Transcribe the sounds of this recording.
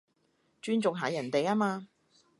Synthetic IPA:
t͡ʃyː˥nt͡sʊ˨ŋɦaː˨jɐ˨˩nt̪e˨jaː˥maː˧

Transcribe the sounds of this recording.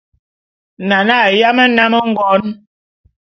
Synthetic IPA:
na˨na˦˨ja˦mə˦na˦mə˦ŋ̩˦ɡɔ˨˦n

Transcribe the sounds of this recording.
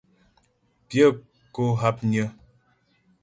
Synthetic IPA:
pjə˦ | ko˦ɦa˦p̚ɲə˦

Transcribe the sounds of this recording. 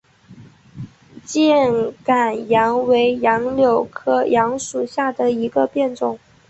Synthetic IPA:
t͡ɕjɛ˥˩nka˨˩njɑ˧˥ŋwe˧˥ɪjɑ˧˥ŋljo˨˩ʊkʰɤ˥˩jʔɑ˧˥ŋʂu˨˩ɕja˥˩d̪ə˩i˧˥ɡə˧pjɛ˥˧nʈ͡ʂʊ˥˩˦ŋ

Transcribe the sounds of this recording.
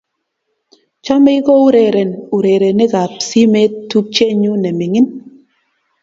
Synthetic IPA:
t͡ʃa˦me˦jkɔ˦u˦ɾɛ˨ɾɛ˨nu˨ɾɛ˨ɾɛ˨ne˦ka˨psi˦mɛ˦tːu˦k̚t͡ʃɛ˦ɲu˦nɛ˨mɪ˨ŋɪ˦n

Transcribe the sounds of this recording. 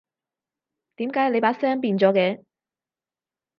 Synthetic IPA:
t̪iː˨˥mkaː˨˥jle˨˧jpaː˨˥sɛː˥ŋp̬iː˧nt͡sɔː˨˥kɛː˧

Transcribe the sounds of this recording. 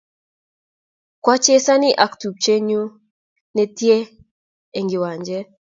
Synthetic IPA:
kwa˦t͡ʃe˦sa˦nɪ˦ʔa˨ktu˨p̚t͡ʃe˦ɲu˦ | nɛ˨tje˦ | e˨ŋɡɪ˨wa˨ɲd͡ʒɛ˦

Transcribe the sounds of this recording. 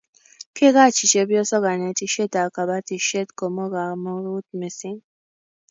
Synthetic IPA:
kʰe˦ɡa˦˨t͡ʃi˨t͡ʃe˧bi˦ɔ˦sɔ˦ɡa˨nɛ˧˦ti˧ʃe˦ta˨ka˨ba˦ti˧ʃe˦tko˨mɔ˦ɡa˨mɔ˦ɾu˦t̚me˨si˦ŋ

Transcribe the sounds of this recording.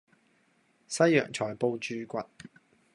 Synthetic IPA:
sɐ˥jːœː˨˩ŋt͡ʃʰɔː˨˩jpo˧wt͡ʃyː˧kʷɐ˨t̚

